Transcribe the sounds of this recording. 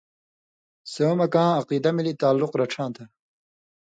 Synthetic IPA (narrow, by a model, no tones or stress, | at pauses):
soːmɐkãːɐqiːd̪ɐmilit̪aːlːuqɾɐʈ͡ʂʰãːt̪ɐ